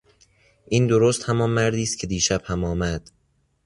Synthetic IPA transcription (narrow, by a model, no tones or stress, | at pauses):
ʔiːnd̪oɾoːst̪hæmɒːnmæɾd̪iːst̪̚cʰe̞d̪iːʃæb̥hæmɒːmæd̪̥